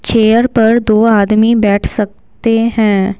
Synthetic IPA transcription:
t͡ʃeːjəɾpɐɾd̪oːaːd̪mibɛːʈʰsɐk̚ | t̪eɦɛ̃ː

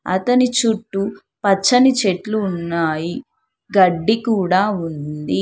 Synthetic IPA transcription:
ɐ̰t̪ɐnit͡ʃuʈːu | pɐt͡ʃːɐnit͡ʃeʈluːnːaːji | ɡɐɖːikuːɽaːund̪i

